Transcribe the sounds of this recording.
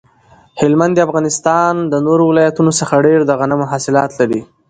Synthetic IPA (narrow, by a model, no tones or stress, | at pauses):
hɪlmand̪iafɣɑnɪst̪ɑnd̪ənoɾowɪlɑjat̪unosəxaɖeɾd̪əɣanamʊɦasɪlɑt̪laɾi